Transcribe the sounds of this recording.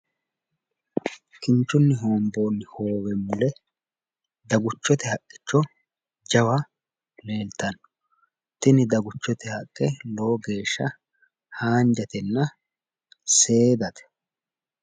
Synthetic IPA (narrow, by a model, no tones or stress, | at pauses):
kɪnt͡ʃːʊnːɪɦo̞ːmbo̞ːnːɪhoːwɛmʊlɛ | d̪ɐɡʊt͡ʃːɔt̪ɛhɐkʼːɪ̥t͡ʃːɔ | d͡ʒɐwɐ | leːlt̪ɐnːɔ | t̪ɪnɪd̪ɐɡʊt͡ʃːɔt̪ɛhɐkʼːɛloːɡe̞ːʃːɐ | haːnd͡ʒɐt̪ɛnːɐ | se̞ːd̪ɐt̪ɛ̥